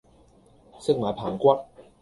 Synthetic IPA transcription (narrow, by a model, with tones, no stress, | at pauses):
sɪ˥k̚maː˨˦jpʰaː˨˩ŋkʷɐ˥t̚